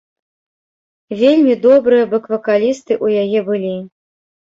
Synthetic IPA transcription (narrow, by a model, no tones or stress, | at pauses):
vʲelʲmʲid̪ɔbɾɨjɐbɐkvɐkalʲist̪ɨʔujajɛbɨlʲi